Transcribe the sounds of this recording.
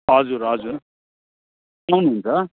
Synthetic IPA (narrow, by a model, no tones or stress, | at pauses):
ɦʌd͡zuɾɦʌd͡zuɾ | ʌnuɦunt͡sʰʌ